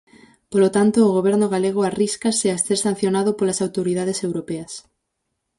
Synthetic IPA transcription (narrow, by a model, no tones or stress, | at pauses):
polot̪ant̪oːɣ̞oβ̞ɛɾnoɣaleɣ̞oariskaseast̪eɾsan̟θjonaðopolasawt̪oɾið̞aðesewɾopeas